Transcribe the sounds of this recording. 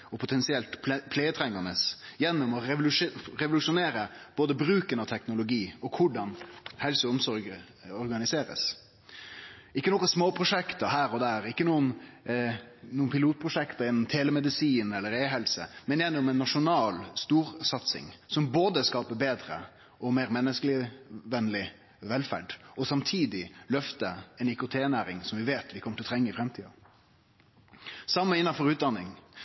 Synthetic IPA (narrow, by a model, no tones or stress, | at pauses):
ɔpʰʊt̪ʰɛnsɪɛlt̪ppʰleːət̪ʰɾɛŋːɑnəsjɛnːʊmɔɾɛʋʊlʉʂʊneːɾəb̥oːd̪əbɾʉːkənɑt̪ʰɛknʊlʊɡiːɔkʰʊɖɑnhɛlsɔɔmsɔɾɡə | ɔɾɡɑnɪseːɾə̰s | ɪkːənɔkːɑsmoːpʰɾʊʂɛkt̪ɑɦæːɾɔd̪æːɾɪkːənuːən | nuːənpʰɪluːt̪̚pʰɾʊʂɛkt̪ɑjɛnːɔmt̪ʰeːlɛmɛd̪ɪsiːnɛlːəɾeːɦɛlsə̰mɛnjɛnːɔmɛnːɑʂʊnɑːlst̪uːɾsɑt̪sɪ̰ŋsɔmboːd̪əskɑːpəbeːd̪ɾə̰ | ʔɔmeːɾmɛnːəsklɪʋɛnlɪ | ʋɛlfæ̰ɖɔsɑmt̪ʰiːd̪ɪlœft̪əɛnɪkʊt̪ʰeːnæːɾɪŋsɔmʋɪʋeːt̪ʋɪkʰɔmːət̪ɪlɔt̪ʰɾɛŋːəɪfɾɛmt̪ʰiːɑ̰ | sɑmːəɪnːɑfɔɾʉːt̪̚d̪ɑnːɪŋ